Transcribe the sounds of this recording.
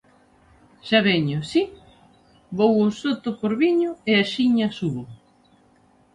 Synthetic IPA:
ʃaβɛɲʊsi | bowʊsot̪ʊpoɾβiɲʊeaʃiɲasu

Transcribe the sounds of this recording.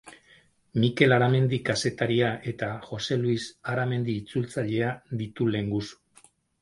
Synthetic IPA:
mike̞laɾame̞nd̪ikase̞t̪aɾiaʔe̞t̪axo̞se̞luisaɾame̞nd̪iːt͡sult͡saʎe̞ad̪it̪ule̞ŋɡusu̥

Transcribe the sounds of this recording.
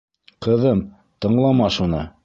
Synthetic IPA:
qɤ̆ðɤm | t̪ɤ̆ɴlˠɑmɑʃunɤ̰

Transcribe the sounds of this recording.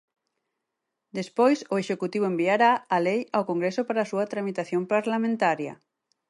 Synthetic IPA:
d̪espojsʊeʃekut̪iβ̞oembiaɾaːlejawkoŋɡɾesʊpaɾaːsuɐt̪ɾamit̪aθjompaɾlamẽnt̪aɾjɐ̰

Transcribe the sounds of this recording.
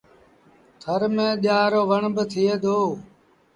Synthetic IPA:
t̪ʰəɾmẽːɗaːɾoːʋəɳbət̪ʰɪːeːd̪oː

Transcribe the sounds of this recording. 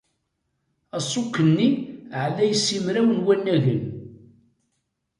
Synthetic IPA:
ɑsˤːʊkːənːiʕlæjəsːimɾæwənwænːæɣən

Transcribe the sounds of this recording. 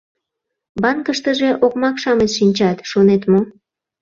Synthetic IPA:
bɑnkəʃt̪əʒeʔokmɑkʃɑmet̪ʃinʲt͡ɕɑt̪ʃonet̪mo

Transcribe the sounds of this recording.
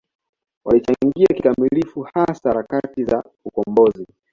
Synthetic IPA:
walit͡ʃaŋɡiakikamilifuhasaɾakatiza̰ | ukɔmbɔzi

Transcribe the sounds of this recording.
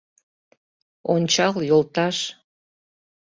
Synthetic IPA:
onʲt͡ɕɑljolˠt̪ɑʃ

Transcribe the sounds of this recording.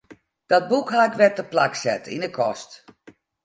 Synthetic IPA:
d̥ɔt̚bukɦakʋɛt̚əplaksɛ̰tḭndəkʰɔst

